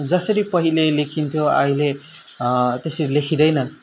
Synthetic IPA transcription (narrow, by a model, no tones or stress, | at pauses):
d͡zʌsʌɾipʌɦilelekʰint̪ʰjoaile | t̪esʌɾilekʰid̪ʌjnʌ